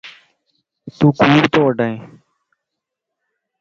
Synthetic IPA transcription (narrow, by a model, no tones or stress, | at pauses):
t̪ũːkuːɾt̪oːʋəɖəẽː